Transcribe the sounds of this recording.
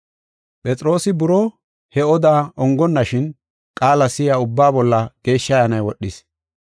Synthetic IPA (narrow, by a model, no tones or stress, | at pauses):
pʼɛt͡sʼɾo̞ːsɪbʊɾɔ | hɛɔd̪aːɔŋɡɔnːɐʃɪn | kʼaːlɐsɪjaːʊbːaːbɔlːɐɡ̥e̞ːʃːɐjaːnɐjwɔɗːɪs